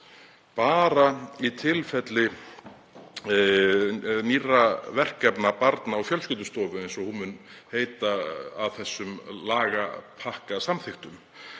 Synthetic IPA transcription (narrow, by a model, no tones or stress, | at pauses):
paːɾait̪ʰɪlfɛt̪lɪ | niravɛr̥kɛpnapaɾt̪naːwfjœlscʏːt̪̬ʏst̪ɔːvʏejnsɔhunmʏnheːjt̪aːðθɛsːʏmlaːɣapʰahkasamθɪxt̪ʏm